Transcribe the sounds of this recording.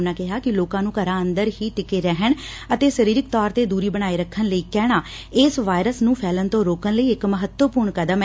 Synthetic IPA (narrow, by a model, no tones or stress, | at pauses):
naːkɪɦaːkɪloːkãːnũːkəɾaːənd̪əɾɦiːʈɪkeːɾɛɦəɳ | ət̪eːsəɾiːɾɪk̚t̪ɔːɾt̪eːd̪uːɾiːbəɽaːeːɾəkʰːənləiːkɛːɽ̃aː | ɪːsʋaːjɾəsnũːpʰɛːlənt̪õːɾoːkənləiːɪkməɦət̪wəpuːɾɳkəd̪əm